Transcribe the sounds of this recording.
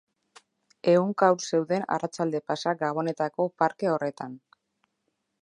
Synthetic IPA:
e̞uŋkawɾse̞wðe̞na̰rat͡ʃald̪e̞pasaɡaβ̞o̞ne̞t̪ako̞paɾke̞o̞re̞t̪an

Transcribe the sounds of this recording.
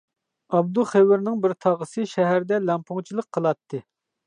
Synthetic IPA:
ɑb̚d̪uχewɪɾnɪŋbɪɾt̪ʰɑʁəsɨʃɛɦæɾd̪ɛlɛmpʰʊŋt͡ʃʰilˠəqʰːəlˠɑt̪ʰːɨ

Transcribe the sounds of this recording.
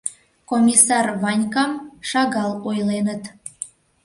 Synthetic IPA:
komʲisɑrβɑnʲkɑmʃɑɣɑlojlenət̪

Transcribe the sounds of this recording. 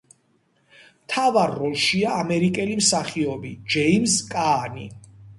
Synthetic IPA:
mt̪ʰavaɾːɔlˠʃiaːmɛɾikʼɛlimsaχiɔbid͡ʒɛimzkʼaːni

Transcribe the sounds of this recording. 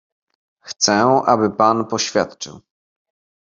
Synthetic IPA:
xt̪sɛʔa̰bɘpanpɔɕfʲja̰t̪t͡ʂɘ̰w

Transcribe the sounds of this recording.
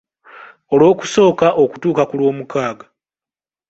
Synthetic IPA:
o̞lo̞ːku̥so̞ːkaʔo̞ku̥tuːkakulwo̞ːmukaːɡa

